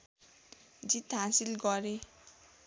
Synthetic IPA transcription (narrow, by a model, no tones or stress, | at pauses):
d͡zit̪ɦasilɡʌɾe